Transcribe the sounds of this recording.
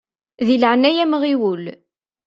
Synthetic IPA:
ðilʕənæjæmʁiwul

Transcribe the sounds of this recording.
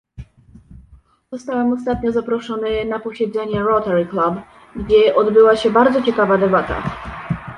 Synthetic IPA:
z̥ɔst̪awɛmɔst̪at̪ɲɔzapɾɔʂɔnɘnapɔɕɛd̪zɛɲɛɾɔt̪ɛɾklab | ɡd͡ʑɛʔɔd̪bɘwaɕɛbaɾd̪zɔt͡ɕɛkavad̪ɛbat̪a̰

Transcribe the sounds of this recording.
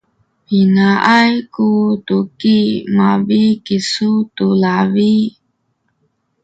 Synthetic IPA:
pinaʔajkut̪ukimavikisutulavi

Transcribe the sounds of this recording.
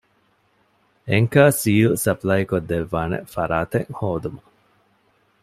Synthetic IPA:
eŋkaːsiːlsɐplɐjikod̪ːeʋːaːnḛfɐɾaːt̪eŋhoːd̪umɐ

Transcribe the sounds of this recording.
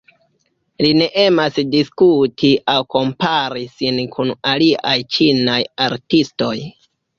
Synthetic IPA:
line̞ʔe̞masdiskutiʔawko̞mpaɾisinkʰunaliʔajt͡ʃinajaɾtisto̞j

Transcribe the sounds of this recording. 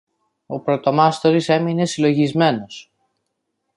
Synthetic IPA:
o̞pɾo̞t̪o̞mɐst̪oɾise̞mine̞silo̞ʝizme̞no̞s

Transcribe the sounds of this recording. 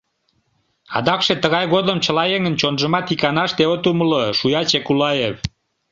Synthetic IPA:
ɑ̰d̪ɑkʃet̪əɣɑjɣod̪əmt͡ɕəlɑjeŋənt͡ɕonʒəmɑt̪ikɑnɑʃt̪eot̪uməloʃujɑt͡ɕekulɑjev

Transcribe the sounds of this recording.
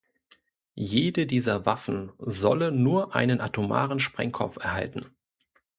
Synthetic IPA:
jeːdədiːzɐvafn̩zɔ̰lənuːɐʔa̰ɪnənʔatʰoma̰ːʁənʃpʁ̥ɛ̰ŋkʰɔ̰p͡fɛɐha̰ltn̩

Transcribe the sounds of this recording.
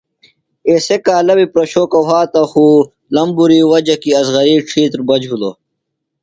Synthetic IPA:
eːsekaːlɐbipɾɐɕoːkɐɦaːt̪ɐxuː | lɐmbuɾiːwɐd͡ʑɐkiɐzɣɐɾiːʈ͡ʂʰiːt̪ɾbɐd͡ʑɦulo̰

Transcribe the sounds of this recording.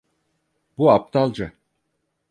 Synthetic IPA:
buap̚t̪ʰalˠd͡ʒa

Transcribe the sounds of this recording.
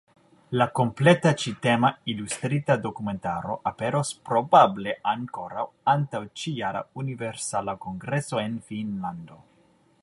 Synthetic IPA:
lako̞mpletat͡ʃite̞mailust̪ɾitado̞kume̞nta̰ɾo̞̰ʔape̞ɾospɾo̞bable̞ʔaŋko̞ɾa̰wantawt͡ʃijaɾa̰univeɾsalako̞ŋɡɾe̞so̞e̞nfinlando̞

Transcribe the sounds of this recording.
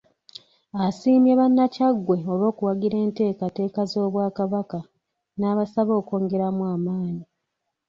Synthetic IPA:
asiːmjeβanːacaɡːwe̞o̞βo̞ːkuwaɡiɾe̞ːnte̞ːkate̞ːkazo̞ːβwaːkaβaka | naːβasaβo̞ːko̞ːŋɡe̞ɾamwaːmaːɲi

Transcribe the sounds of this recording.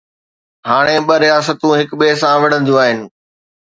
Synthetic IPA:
ɦaːɽ̃eɓɐɾijaːsət̪ũɦɪkɓeːsãʋɐɽ̤ə̃nd̪ijũaːɦɪnɪ̆

